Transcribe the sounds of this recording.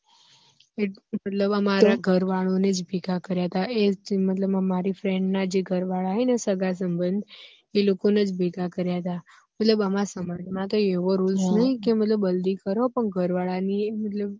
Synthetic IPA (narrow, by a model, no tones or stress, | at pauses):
emət̪ləbəmaɾaɡʱəɾʋaɭoned͡ʒbiɡakəɾjaɦət̪aemət̪ləbəmaɾifɾɛ̃ɳɖnad͡ʒeɡʱəɾʋaɭaɦenesəɡas̬əmbənd̪ʱ | elokoned͡ʒbʱeɡakəɾjaɦət̪a | mət̪ləbəmasəmad͡ʒmãt̪oeʋoɾulsnəɦĩkemət̪ləbəld̪ikəɾopəɳɡʱəɾʋaɭanimət̪ləb̚